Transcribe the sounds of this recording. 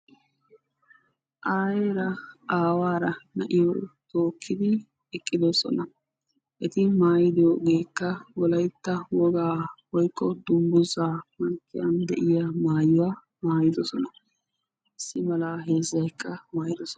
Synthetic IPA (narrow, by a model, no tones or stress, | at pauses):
ʔaːjeːɾɐaːwaːɾɐnɐʔɪjɔt̪o̞ːkʰːɪd̪ɪ | ɛkʼːɪd̪osɔ̰nɐ | ʔɛt̪ɪmaːjɪd̪ɪjoːɡeːkːɐwɔlɐjt̪ːɐwɔɡaːwɔjkʰʼːɔd̪ʊmbʊzaːmɐŋkʰːɪjɐnd̪ɛʔɪjamaːjʊwaː | maːjɪd̪ɔsɔnɐ | ʔɪsːɪmɐlaːɦeːzːɐjkʰːɐmaːjɪd̪ɔsɔn